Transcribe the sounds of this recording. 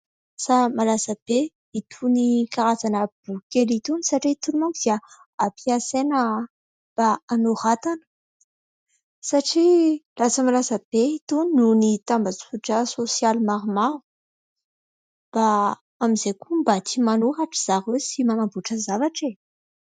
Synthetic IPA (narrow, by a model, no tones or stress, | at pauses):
samalasəb̥e | it̪ʰunikaɾazanəb̥ukelit̪unisaʈ͡ʂit̪unimakd̪ia | apʰiasenə | b̥aanuhat̪anə̥ | saʈ͡ʂilat͡səmalasəb̥eit̪unnunit̪ambat͡si̥fuʈ͡ʂəsosjalmaɾumaɾu̥ | b̥a | amizekumbat̪ʰimanuɦaʈ͡ʂiz̥aʁwesimanabuʈ͡ʂəzavaʈ͡ʂe